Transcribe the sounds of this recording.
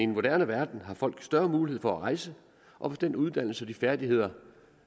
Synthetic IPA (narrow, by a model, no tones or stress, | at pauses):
e̝nmo̝d̥æɐnəʋæɐd̥n̩ɦɑ̈fɒ̽l̰ɡ̥sd̥ɶɐmuːlihe̝̰fɒæʁɑ̈ɪsə | ʔɒ̽fɒsd̥en̰d̥uð̞ˠd̥æn̰l̩səɒd̥ifæɐd̥ihe̝ð̞̰ˠɐ